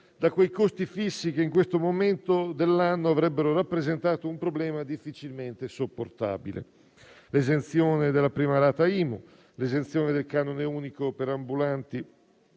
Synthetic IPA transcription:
d̪akwejkost̪ifisːikeiŋkwest̪omoment̪od̪elːanːoavɾɛbːeɾoɾapːɾezent̪aːt̪oumpɾoblɛːmad̪ifːit͡ʃilment̪esopːort̪a̰ːbḭlḛ | lezent̪sjoːned̪elːapɾiːmalaːt̪aiːmo | lezensjoːned̪elkaːnoneuːnikopeɾambulant̪i

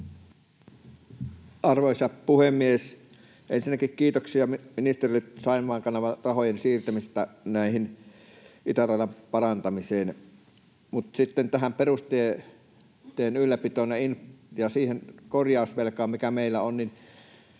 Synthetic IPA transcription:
ʔɑrʋoˑisʲɑpuhemːˑies | ʔḛnsinːˑækikkiːt̪oksiɑmminist̪erilet̪sɑˑimˑɑːŋkɑnɑʋɑrɑhojensiːrt̪æmist̪ːænæˑihin | ʔit̪ærɑˑelːɑmpɑrɑnt̪ɑmiseːn | mut̪sit̪ːent̪æhæmperust̪ie | t̪ˑeːnylːæpit̪oˑnːeinjɑsiːhenkorjɑˑosʋelkɑːmmikæmeˑilːæonnin

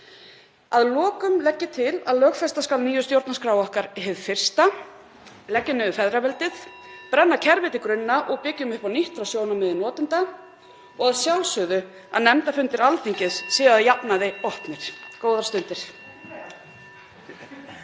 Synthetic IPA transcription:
aðlɔːkʏmlɛcːɪt̪ʰɪla̰ðlœːxfɛst̪askalniːjʏst̪jowɾt̪naskɾaːwɔhkaɾɦeðfɪr̥st̪a | lɛcːʏnɪðʏfɛðɾavɛlt̪ɪθ | pɾɛnːacʰɛɾvɪt̪ɪkɾʏnːaʔɔɣpɪcːʏmʏhpawniht̪ɾawsjoːwnamɪðɪnɔːt̪ʏnt̪a | ɔɣaðsjawlsʏðʏ | a̰ðnɛmt̪afʏnt̪ɪɾalθiɲcɪssɪːɣaðjapnaðejɔhpnɪɾ̥koːwðaɾ̥st̪ʏnt̪ɪɾ̥

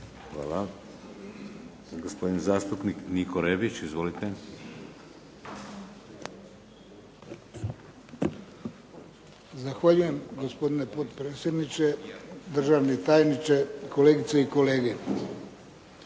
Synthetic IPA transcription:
xʋa̰ːla | ɡospo̞d̪inzaːst̪upniknikoɾebit͡ʃizʋolit̪e | zaxʋaʎuje̞mɡospo̞d̪ine̞po̞t̪pɾeːt̪sje̞d̪nit͡ʃed̪r̩ʒaʋnet̪aːjnit͡ʃekoleːɡit̪seiko̞le̞ːɡe

